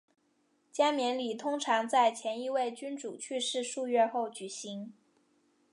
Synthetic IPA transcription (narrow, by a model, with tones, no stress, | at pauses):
t͡ɕja˥mjɛ˧˥nli˨˩t̪ʰʊ˥ŋʈ͡ʂʰɑ˧˥ŋt͡sa˥˩ɪt͡ɕʰjɛ˧˥ni˥˧we˥˩ɪt͡ɕy˥nʈ͡ʂu˨˩t͡ɕʰy˥˧ʂɻ̩˥˧ʂu˥˧ɥɛ˥˧xo˥˩ʊt͡ɕy˨˩ɕi˧˥ŋ